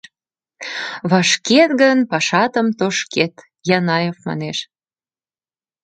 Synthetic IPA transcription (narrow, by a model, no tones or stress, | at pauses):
βɑʃket̪ɡənpɑʃɑt̪əmt̪oʃket̪ | jɑnɑjofmɑ̰neʃ